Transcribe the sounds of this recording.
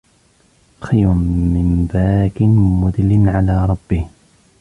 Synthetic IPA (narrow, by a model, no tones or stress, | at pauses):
xajɾʊnmɪmbaːkɪnmʊd̪ɪlɪnʕalaːɾˤɑbːɪh